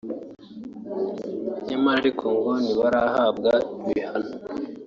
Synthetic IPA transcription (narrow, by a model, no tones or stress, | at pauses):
ɲemaɾikʰoŋɡoniβaɾaɦab̚ɡaiβihano